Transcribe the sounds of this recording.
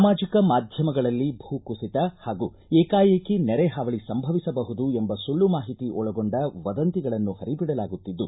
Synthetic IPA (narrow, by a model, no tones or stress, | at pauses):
amaːd͡ʒikɐmaːd̪ʱjɐmɐɡɐɭɐlːibʱuːkusit̪ɐhaːɡuː | eːkaːjekːinɛɾeɦaʋɐɭisɐmbʱɐʋisɐbɐɦud̪uembɐsulːumaːɦit̪iʔɔɭɐɡoɳɖɐʋɐd̪ɐnt̪iɡɐɭɐnːuhɐɾibiɽɐlaːɡut̪ːid̪ːu